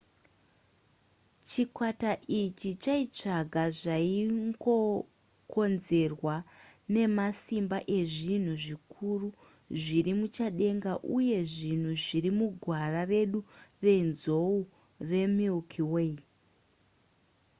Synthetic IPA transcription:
t͡ʃikwataʔit͡ʃit͡ʃait͡ʂaɡʱaʐaiŋɡo̞ | kʰo̞nze̞rwane̞masimbaʔe̞ʐin̤uʐikʰuru | ʐirimut͡ʃaɗe̞ŋɡaʔuje̞ʐin̤uʐirimuɡʱwarare̞ɗure̞nzo̞u | re̞milkʰiwei

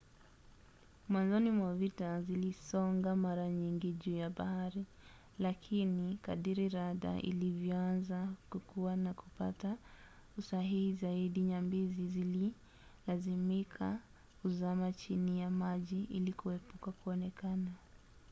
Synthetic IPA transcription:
mwanzɔnimwavitazilisɔŋɡamaɾaɲiŋɡiʄuːjaɓahaɾi | lakʰinika̰ɗiɾiɾaða̰ʔḭlivjɔanzakukuwanakupa̰ta | usaɦihizaiɗiɲambizizili | lazimikʰa | kuzamat͡ʃinijamaʄiʔilikuhɛpukakuɔnɛkana

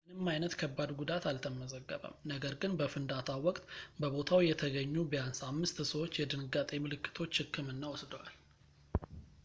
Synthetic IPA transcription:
mɨnɨmːajnət̪kʰəbːad̪ɡud̪at̪alt̪ʰəməzəɡːə̰βə̰mnəɡəɾɡɨnbəfɨnd̪at̪ʰawɔkʼt̪bəβo̞t̪ʰawjɛt̪ʰəɡəɲːubəjansamːɨst̪səwo̞t͡ʃːjɛd̪ɨnɨɡat̪ʼemɨlɨkːɨ̥t̪ʰo̞t͡ʃːhɨkːɨmɨnːawɔsd̪əwal

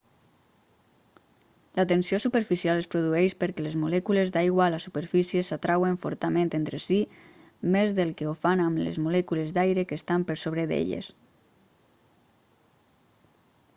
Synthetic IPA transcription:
lat̪ensiosupəɾfisialespɾuðuɛʃpəɾkɛlezmulɛkulezd̪aiɣwalasupəɾfisjesat̪ɾaweɱfo̰ɾt̪amẽnt̪ent̪ɾesi | mezðelˠkeofanamlḛzmulɛkulezd̪ajɾekest̪ampəɾsoβɾeðḛʎḛs

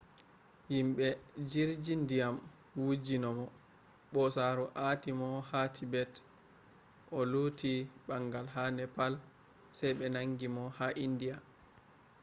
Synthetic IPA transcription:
jimɓɛd͡ʒiɾd͡ʒindijam | wud͡ʒinɔmɔ | ɓɔsaɾuʔatimɔhatʰibɛt | ʔɔlutiɓaŋɡalɦanɛpal | sɛjɓɛnaŋɡimɔhaʔindija

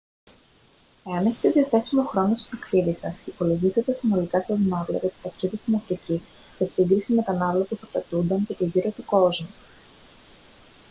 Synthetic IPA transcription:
e̞ɐne̞çe̞t̪e̞ðiɐθe̞sumexɾo̞nost̪o̥t̪ɐksiðisɐsipo̞lo̞ʝiθet̪esino̞likɐst̪ɐðinɐvlɐ̰k̪ɐt̪i̥t̪ɐksiðist̪inɐft̪ici | sesiŋɡɾisime̞t̪ɐnɐvlɐpuθɐɾt̪ɐt̪und̪ɐncet̪iʝiɾo̞t̪uko̞zmu

